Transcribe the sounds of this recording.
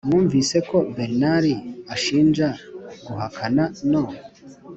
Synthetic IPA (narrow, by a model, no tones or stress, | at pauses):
mŋuːɱvise̞ko̞beɾnaɾiaʃiːnd͡ʒaɡuɦakʰanano